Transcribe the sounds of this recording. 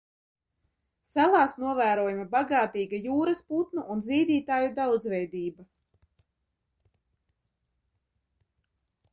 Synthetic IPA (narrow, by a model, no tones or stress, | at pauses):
salˠɑːsnuɔvæːɾuɔjumabaɡaːt̪iːɡajuːɾasput̪nuʔunziːd̪iːt̪aːjud̪awd̪zvɛjd̪iːba